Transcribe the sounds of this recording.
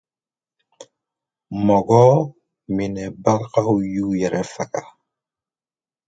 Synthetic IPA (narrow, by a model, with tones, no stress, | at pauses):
mɔ˨ɡɔ˦ | minɛ˨ba˦ɾkahujuː˦jɛ˨ɾɛfa˨ka˨